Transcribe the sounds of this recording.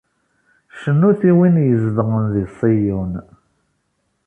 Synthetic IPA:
ʃənːuθiwinjəzðʁənðisˤijun

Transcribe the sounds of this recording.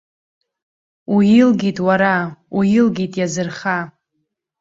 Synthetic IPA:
ujilɡʲitʼwaɾaujilɡʲitʼjazɨrχa

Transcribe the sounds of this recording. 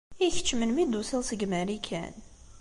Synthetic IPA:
içə̥t͡ʃːmənmid̪usəlsəɡmæɾikʰæ̰n

